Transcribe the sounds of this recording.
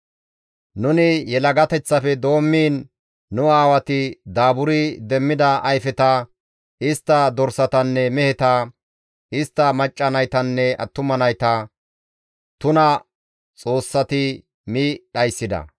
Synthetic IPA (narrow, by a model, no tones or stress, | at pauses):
nʊnɪjɛlɐɡɐt̪ɛt͡sːɐfɛd̪o̞ːmːiːnː | ʊaːwɐt̪ɪd̪aːbʊɾɪd̪ɛmːɪd̪ɐʔɐjfɛt̪ɐ | ɪst̪ːɐd̪ɔɾsɐt̪ɐnːɛmɛhɛt̪ɐ | ɪst̪ːɐmɐt͡ʃʼːɐnɐjt̪ɐnːɛʔɐ̰t̪ːʊmɐnɐjt̪ɐ | t̪ʊnɐ | t͡sʼo̞ːsːɐt̪ɪ | miɗɐjsːɪd̪ɐ̰